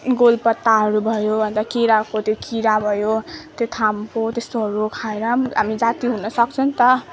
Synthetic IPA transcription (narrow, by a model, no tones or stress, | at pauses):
ɡolpʌt̪ːaɦʌɾubʱʌjobʱʌnt̪ʌkiɾakot̪ʰjokiɾabʱʌjot̪jot̪ʰamkot̪est̪oɦʌɾukʰaeɾamɦamid͡zat̪iɦunʌsʌkt͡sʰʌnt̪ʌ